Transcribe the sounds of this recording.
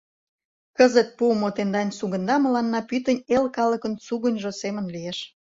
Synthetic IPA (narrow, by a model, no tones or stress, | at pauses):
kəzət̪̚puəmot̪end̪ɑnʲsuɣə̆nd̪ɑmə̆lɑnːɑpyt̪ənʲelkɑlə̆kə̆nt͡suɣənʲʒosemənlijeʃ